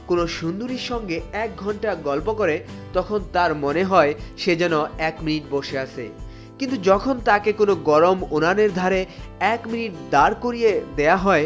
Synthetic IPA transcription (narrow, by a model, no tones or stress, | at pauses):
konoʃund̪uɾiɾʃɔŋɡeɛk̚ɡʱɔɳʈaɡɔlpokoɾe | t̪ɔkʰont̪aɾmoneɦɔeʃed͡ʑɛnoɛkminiʈboʃeat͡ɕʰḛ | kint̪ud͡ʑɔkʰont̪akekonoɡɔɾomonaneɾd̪ʱaɾeɛkminiʈ̚d̪aɾkoɾied̪eaɦɔe